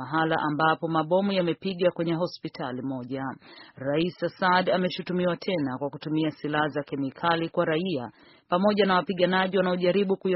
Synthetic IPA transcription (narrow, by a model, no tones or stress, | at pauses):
aɦala̰ʔambapɔmaɓɔmujamɛpiɠakwɛɲɛɦɔspitʰalimɔʄaɾaisasadamɛʃutumiwatʰɛnakwakutumiasilahazakɛmikʰalikwaɾaia̰ | pamɔʄanawapiɠanaʄiwanaɔʄaɾiɓukuj